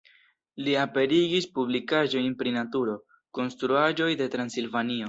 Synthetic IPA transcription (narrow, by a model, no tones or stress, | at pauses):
liape̞ɾiɡispublikaʒo̞jnpɾinatuɾo̞ | ko̞nstɾuaʒo̞jde̞tɾansilvanio̞